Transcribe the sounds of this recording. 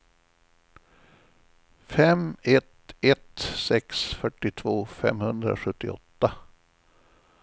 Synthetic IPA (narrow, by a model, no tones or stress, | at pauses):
fɛmɛt̪ɛt̪sɛksfœʈːɪt̪ʰvoːfɛ̰mhɵnd̪ɾa̰ɧɵt̪ːɪɔ̰t̪ːa